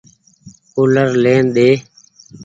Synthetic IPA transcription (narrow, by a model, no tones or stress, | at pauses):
koːləɾleːnɗ̪eː